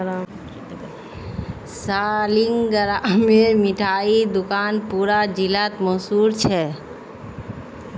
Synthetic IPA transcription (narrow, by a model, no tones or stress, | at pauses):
salɪŋɡɡəɾamẽmɪʈʰaːid̪ʊkaːnpuːɾad͡ʒilat̪mɔɦsuːɾt͡ʃʰɛ